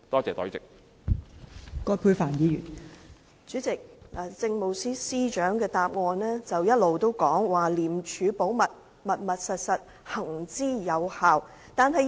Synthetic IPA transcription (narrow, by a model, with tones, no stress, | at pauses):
t̪ɔː˥t͡sɛː˨t̪ɔ̰˨˥ɥt͡sɪ˨k̚ | kɔː˧˥pʰuː˧jfaː˨˩njiː˨˧jy̰ː˨˩n | t͡ʃyː˨˥t͡sɪ˨k̚a˨t͡sɪ˧ŋmo˨wsiː˥siː˥t͡ʃœː˨˥ŋkɛː˧t̪aː˨p̚ŋɔː˧nlɛː˥t͡sɐ˨wjɐ˥t̚lo˨wt̪o˥wkɔː˨˥ŋwaː˨liː˨˩mt͡ʃʰyː˨˧po˨˥wmɐ˨t̚ | mɐ˨t̚mɐ˨t̚sɐ˨t̚sɐ˨t̚ | hɐ˨˩ŋt͡siː˥jɐ˨˧whaː˨˩w | t̪aː˨˧nɦɐ˨j